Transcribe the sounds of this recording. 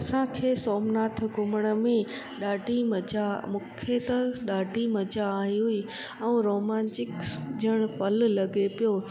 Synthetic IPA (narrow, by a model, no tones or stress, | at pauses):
ɐsãkʰeːsoːmnaːt̪ʰkʊməɽ̃ə̆mẽ | ɗaːɖimɐd͡ʑamʊkʰet̪ɐɗaːɖimɐd͡ʑaːɦiɦui | ɛũɾoːmãːnt͡ɕɪkd͡ʑəɽ̃pɐl̆lɐɡepijo